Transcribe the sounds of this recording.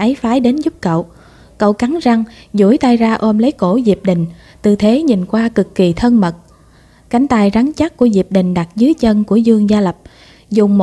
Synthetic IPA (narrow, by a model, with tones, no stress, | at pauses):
ʔə˨˦jfaː˨˦jɗe˨˦nzʊ˦˥p̚kə̰˧˨w | kə˧˨wka˨˦ŋza˧ŋzu˧˩əjt̪aː˧jzaː˧ʔo˧mlə˨˦jko˧˩zi˨˩əp̚ɗï˨˩ŋ̟ | t̪ɨ˨˩t̪ʰe˨˦ɲi˨˩nkwaː˧kɨ˨˩kːi˨˩t̪ʰə˧nmə˨˩t̚ | ka˧˩jŋ̟t̪aː˧jza˨˦ŋt͡ɕa˦˥ku˧˩əzi˨˩əp̚ɗï˨˩ŋ̟ɗa˨˩t̚zɨ˨˦jt͡ɕə˧nku˧˩əzɨ˧əŋzaː˧lə˨˩p̚ | zʊ˨˩ŋ͡mmo˨